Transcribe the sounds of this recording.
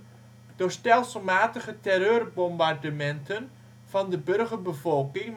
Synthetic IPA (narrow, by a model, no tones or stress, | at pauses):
d̥ʊːɹstɛlˠsəlˠmaːtəχətɛrøːrbɔmbardəmɛntʰən | v̥ɑndəbɵrχərbəvɔlˠkɪŋ